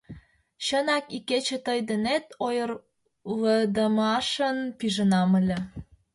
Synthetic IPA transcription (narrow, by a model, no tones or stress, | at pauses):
ɕənɑkiket͡ɕĕt̪əjd̪ĕnet̪ojər | ləd̪əmɑʃənpiʒə̆nɑməlʲĕ